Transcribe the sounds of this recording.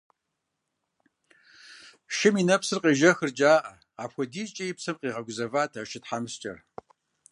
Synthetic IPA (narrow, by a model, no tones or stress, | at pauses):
ʃɪminɐpsɨrqiːʒɐxɨrd͡ʒʼaːʔɐ | ɑːpxʷɔdiːt͡ʃʼɐjɪpsɐmqiːʁɐɡʷʊzɐvaːtʰaʃɪtħamɨst͡ʃʼɐ̰r